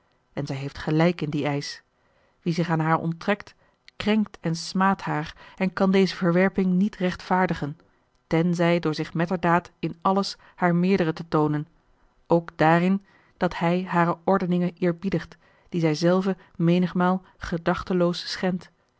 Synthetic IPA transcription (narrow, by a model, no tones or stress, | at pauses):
ʔɛnzɛjɦejftχəlɛjkɪndiɛjs | ʋizɪχaːnɦaːɹɔ̰mtrɛkt | krɛŋk̚tɛnsmaːthaːɹɛnkɑndejzəvəɹʋɛɹpɪŋnitrɛχtfaːɹdəχən | tɛnzɛjdʊːɹzɪχmɛtəɹdaːtɪnɑləs | haːɹmɪːɹdərətətownən | ʔowkd̥aːrɪn | d̥ɑthɛjɦaːɾəɔɹdənɪŋənʔɪːɹbidəχt | d̥izɛjzɛlˠvə | mejnəχmaːlˠ | χədɑχtəlowssχɛnt